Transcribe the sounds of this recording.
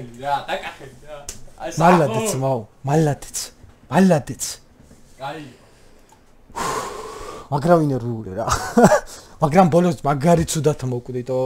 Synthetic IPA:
malːaɛt̪sʰmamalːad̪ɛ̥t̪sʰmalːad̪ɛt̪sʰ | u | maɡɾavinɛɾuːliɾa | maɡɾambɔlɔmaɡaɾit̪sʰud̪at̪ʰmɔkʼd̪it̪ʼɔ

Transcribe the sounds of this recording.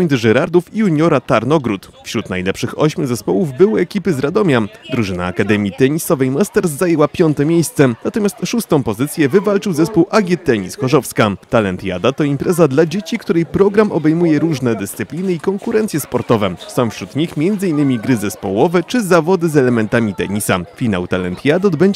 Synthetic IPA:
j̪ʲt̪ʐɛɾaɾd̪ufiuɲɔɾat̪aɾnɔɡɾut̪ | fɕɾut̪najlɛpʂɘxɔɕmʲuzɛspɔwuvbɘwɘɛkʲipɘzɾad̪ɔmʲjad̪ɾuʐɘna̰ːkad̪ɛmʲjit̪ɛɲisɔvɛjmast̪ɛɾs̬ːajɛwapʲjɔnt̪ɛmʲjejst̪sɛnat̪ɔmʲjast̪ʂust̪ɔ̃w̃pɔzɘt̪sʲjɛvɘvalt͡ʂɘwzɛspuwʔaɡʲjɛt̪ɛɲisxɔʐɔfskat̪alɛnt̪ja̰d̪at̪ɔimpɾɛzad̪lad͡ʑet͡ɕikt̪uɾɛjpɾɔɡɾamɔbɛjmujɛɾuʐnɛd̪ɘst̪sɘpʲlʲinɘikɔŋkuɾɛnt̪sʲjɛspɔɾt̪ɔvɛsɔ̃mfɕɾut̪ɲixmʲjɛnd̪zɘinːɘmʲiɡɾɘzɛspɔ̰wɔvɛt͡ʂɘzavɔd̪ɘzɛlɛmɛnt̪amʲit̪ɛ̰ɲisafʲina̰wt̪alɛnt̪jad̪ɔd̪bɛɲd͡ʑ

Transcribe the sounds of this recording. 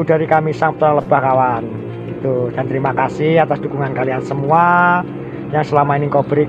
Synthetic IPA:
ud̥a̤ɾikamisaŋpt̪əɾaŋləb̥ahkawan | ɡ̥it̪ud̥ant̪əɾimakasɪhat̪asd̥ukuŋankaliansəmua | jaŋsəlamainikɔb̥ɾi

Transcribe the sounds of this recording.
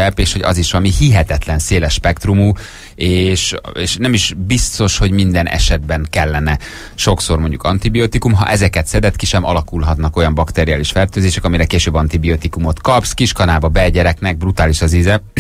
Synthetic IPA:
ɛpeːʃho̞ɟɒ̰ziʃʋɒmihiɦɛt̪ɛt̪lɛnseːlɛʃːpɛkt̪rumuː | eːʃeːʃnɛmiʃbist̪o̞ʃho̞ɟmind̪ɛnʔɛ̰ʃɛd̪̚bɛŋkɛlːɛnɛ | ʃo̞kso̞rmo̞ɲɟukɒnt̪ibiot̪ikumɦɒ̰ʔɛzɛkɛt̪sɛd̪ɛt̪kiʃɛmɒ̰lɒkulɦɒt̪nɒko̞jɒmbɒkt̪eɾiaːliʃfɛrt̪øːzeːʃɛkɒmiɾɛkeːʃøːbːɒnt̪ibiot̪ikumo̞t̪kɒpskiʃkɒnaːbɒbɛɟɛɾɛknɛɡ̚brut̪aːliʃɒzizɛ

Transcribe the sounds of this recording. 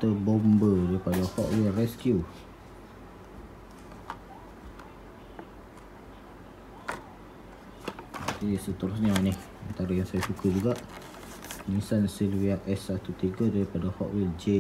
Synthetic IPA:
t̪əbombədaɾipadahɔʔwilrɛskju | atisət̪əɾʊsɲanɪh | ant̪aɾajaŋsajasukəd͡ʒuɡaʔ | nisansilwiaʔɛsːat̪ut̪iɡadaɾipadahɔ̰ʔwild͡ʒe

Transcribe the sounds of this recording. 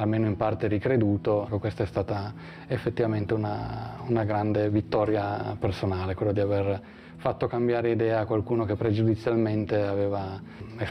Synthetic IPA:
almeːnoimpart̪eɾikɾed̪uːt̪okekwest̪aɛst̪aːt̪a | efːet̪ːivament̪eunaunaɡɾand̪evit̪ːɔːɾjapersonaːlekwelːod̪iaver | fat̪ːokambjaːɾeid̪ɛːaːkwalkuːnokepːɾed͡ʒud̪it̪sːjalment̪eaveːva | e

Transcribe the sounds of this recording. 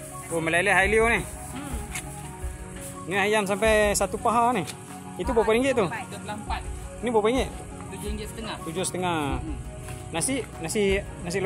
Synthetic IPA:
boməlaileɦailione | niɦajams̬ampajsat̪upaɦane | it̪ubopaɾiŋɡeʔt̪u | pa | nibopaɾiŋɡeʔ̪ | st̪əŋat̪ud͡ʒost̪əŋa | nasiʔ | nasi | nas̬il

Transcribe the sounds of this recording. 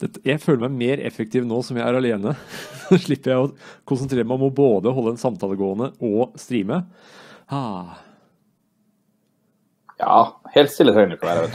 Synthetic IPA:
d̪̥ɛt̪ːjæɪføːləɾmæɪmeːɾɛ̰fək̚t̪ʰɪːʋnoːsɔmjæɪæɾɑleːnəʂɭɪpːəɾjæɪɔkʰʊnsənt̪ʰɾeːɾəmæɪɔmɔboːd̪əɦɔlːəɛnsɑmt̪ʰɑːləɡoːənəɔst̪ɾiːmə | hɑː | jɑ̰ːheːlt̪st̪ɪləhœnɪkːɔʋæːɾəʋɛ

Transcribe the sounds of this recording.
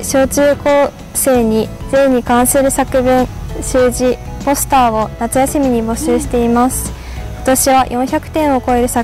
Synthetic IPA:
ɕo̞ːt͡ɕɨːko̞ː | se̞ːɲ̟id͡zẽ̞ɲ̟ːikãɰ̃sɨɾɯ̟sakɯ̟bɯ̟̃ɰɕɨːʑipo̞sɨ̥t̪aːo̞nat͡sɨjasimʲiɲ̟ibo̞ɕɨːɕi̥t̪e̞imasɨ̥ | ko̞̥t̪o̞ɕiβajʔõ̞çakɯ̟̥t̪ẽ̞ɰ̃o̞ko̞eɾɯ̟sa

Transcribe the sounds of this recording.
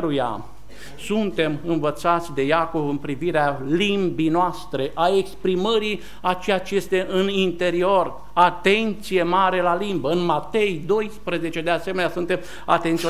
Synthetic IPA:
ɾuja̰ | sunt̪e̞mɨnvət̪sat̪sʲd̪e̞jako̞vɨmpɾiviɾealimbinoast̪ɾe̞ʔaekspɾiməɾi | at͡ʃe̞jat͡ʃeje̞st̪e̞ʔɨnint̪e̞ɾio̞r | at̪e̞nt̪sije̞maɾe̞lalimbəɨnmat̪e̞jd̪o̞jspɾeze̞t͡ʃe̞d̪ease̞me̞neasunt̪e̞m | a̰t̪ent̪sio

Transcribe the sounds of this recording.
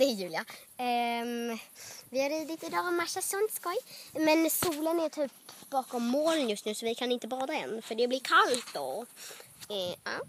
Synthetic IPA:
d̪ɛjʉ̟ːlɪaɛ | vɪhaɾiːd̪ɪt̪ɪd̪ɑːɔmaʃasɔnt̪skɔjmɛnsuːlənæɾt̪ʰyːpb̥ɑːkɔmːoːlənjɵst̪nʉ̟ːsɔvɪkʰanɪnt̪əbɑːɾaɛ̰nfœɖɛblɪɾkʰalt̪̚d̪o̰ː | ɑ̰ː

